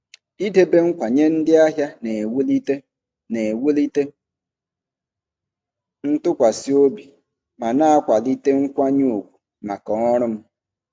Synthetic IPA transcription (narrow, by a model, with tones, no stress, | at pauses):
i˦de˦be˦ŋ̩˦kʷa˨ɲe˦n̩˦dɪ˦a˦ɦja˦ne˨wu˦li˦te˦ | ne˨wu˦li˦te˦ | n̩˦tʊ˦kʷa˨si˦o˦bi˨ | ma˨na˦a˦kʷa˨li˦te˦ŋ̩˦kʷa˦ɲu˦u˨kʷu̥˨ | ma˨kɔ˨ɔ˦ɾʊ˦m̩˦